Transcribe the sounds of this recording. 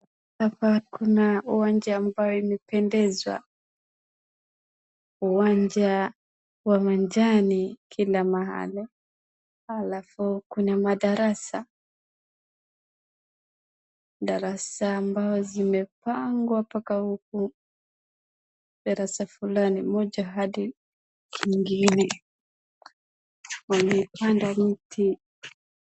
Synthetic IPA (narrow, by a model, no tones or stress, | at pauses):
apakunauwand͡ʒaːmbaɔimɛpɛndɛzwa̰ | uwaɲd͡ʒa | wamand͡ʒanikʰilamaɦa̰li | alafukunamaɗaɾasa | ɗaɾasaːmbaɔzimɛpaŋɡwapakahuk̚u | ɗaɾasafulanimɔʄaɦaɗi | kʰiŋɡinɛ | walipandam̩tʰi